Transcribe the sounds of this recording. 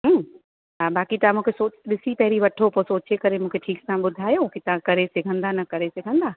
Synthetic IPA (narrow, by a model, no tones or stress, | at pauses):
ɦː | aːbaːkit̪ɐãmũːkʰesoːɗɪsipɐɦɪɾiʋɐʈʰopoːsoːt͡ɕekɐɾemũːkʰeʈʰiːksãɓʊd̪ʱaːjoũːkʰet̪ɐʋãkɐɾesɪɡʱə̃nd̪anɐkɐɾesɪɡʱə̃nd̪aː